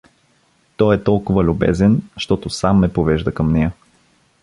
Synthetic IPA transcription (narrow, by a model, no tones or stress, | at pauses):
t̪ɔjɛt̪ɔlˠkʊvəlʲʊbɛ̰zɛnʃt̪ɔt̪ʊsamːɛpovɛʒd̪əkɐmnɛjə